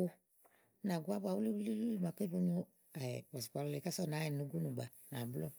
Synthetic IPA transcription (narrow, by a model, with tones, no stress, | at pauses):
o˧˦ | na˨ɡu˦a˦ba˨wu˦li˦u˦li˦lu˦i˦ma˨pe˦bo˧ɲo˦ | a˨ɛ̰˨bɔ˨si˨k͡pa˨˧lɔ˦le˨ka˦sɔ˦˨na˨˦ɛ˨nũ˨˦ɡu˦nũ˨ɡ͡ba˨ | na˨blɔ˦